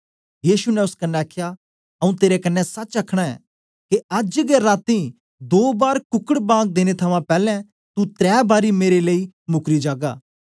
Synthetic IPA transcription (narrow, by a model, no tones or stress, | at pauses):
jiːʃunɛ̃ʊskɐnːɛaːkʰja | ɐũt̪eːɾekɐnːɛsɐt͡ʃɐkʰɽ̃aɛ̰ | keɐd͡ʒɡeɾaːt̪i | d̪oːbaːɾkʊkəɽbãːɡ̚d̪eːñet̪ʰɐʋãpɛːlɛ̃ | t̪ut̪ɾɛːbaːɾimeːɾeleimʊkɾid͡ʒaːɡa̰ː